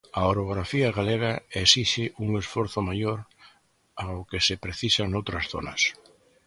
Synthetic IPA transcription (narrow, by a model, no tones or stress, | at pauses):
aoɾoɣɾafiɐɣaleɣ̞aesiʃɪʔuŋesfoɾθʊmajoɾ | aʊkesɪpɾeθisanowt̪ɾɐsθo̰nɐ̰s